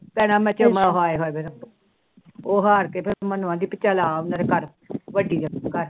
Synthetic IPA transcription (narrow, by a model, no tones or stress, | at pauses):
pɛːɽ̃aːmɛ̃ːt͡ʃəmaːɦoːeɦoːeːbeɾəpː | oːɦaːɾkeːpʰɪɾmənuãːd̪iːpɪt͡ʃːaːlaːʊnãd̪eːkəɾ | ʋəɖiːdəkəɾ